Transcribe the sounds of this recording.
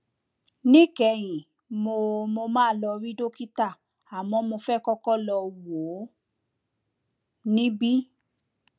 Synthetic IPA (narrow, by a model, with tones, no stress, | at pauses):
nĩ˦kɛ˨˧˨j̃ĩ˨ | mo˧mo˧mãː˦lɔ˧ɾi˦do˦ki˦ta˦˨ | a˨mɔ̃˧mo˧fɛ˦kɔ˦kɔ˦lɔ˧wo˨˦ | nĩ˦bi˦